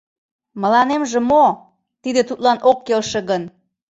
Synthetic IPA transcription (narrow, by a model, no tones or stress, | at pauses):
mə̆lɑnemʒĕmo | t̪id̪et̪ut̪lɑnʔokːelʃĕɣən